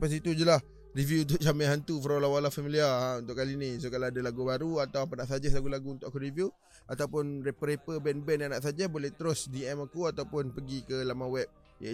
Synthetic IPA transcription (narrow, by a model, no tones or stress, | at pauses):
pas̬it̪ud͡ʒəlah | rivjuunt̪̬ʊʔ̚t͡ʃamãɦant̪ufəɾolawalafamiliaaunt̪ʊʔkalinisokalawadalaɡubaɾuat̪awapanaʔsad͡ʒəslaɡulaɡuunt̪ʊʔakuɾivju | at̪awpʊnɾepəɾepəbɛnbɛnjaŋnaʔsad͡ʒəbolɛht̪əɾʊsdiɛmakuat̪awpʊnpəɡikəlamãwɛp̚ | ja̰